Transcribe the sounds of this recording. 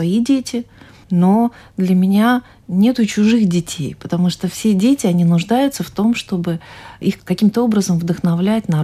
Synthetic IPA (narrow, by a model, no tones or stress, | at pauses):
ɐidʲetʲɪ | nod̪lʲəmʲɪnʲa | nʲe̞t̪ʊt͡ɕʊʐɨxdʲɪtʲḛjpət̪ɐmuʂt̪ofsʲedʲetʲɪɐnʲinʊʐd̪ajʊt̪səft̪o̞mʂt̪o̞bɨixkɐkʲimt̪əo̞bɾəzəmvd̪əxnɐvlʲætʲnɐ